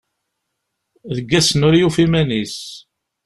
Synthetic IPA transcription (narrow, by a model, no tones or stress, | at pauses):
ðəɡːæsnʊɾjufimænis